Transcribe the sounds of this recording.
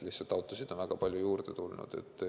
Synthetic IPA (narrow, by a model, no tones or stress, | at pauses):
lihsɑlt̪ːˑɑwt̪ːˑosid̪̥o̞nvæɡ̥ɑpɑlʲjujuːrd̪et̪ulnṵd̪̥e̞̰t̪ːˑ